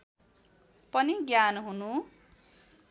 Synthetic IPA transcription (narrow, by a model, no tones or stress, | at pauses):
pʌniɡjanɦunu